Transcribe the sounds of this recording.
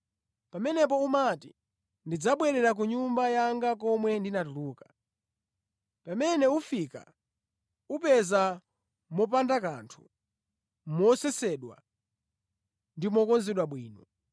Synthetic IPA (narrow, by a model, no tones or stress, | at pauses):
pamɛnɛp̬ɔumati | ndid͡zaɓwɛɾɛɾak̬uɲumbajaŋɡak̬ɔmwɛndinatuluːkḁ | pamɛnɛufika̰ | upɛza | mɔp̬andakantʰu̥ | mɔsɛsɛɗwa̰ | ndimɔkɔnzɛɗwaɓwiːnɔ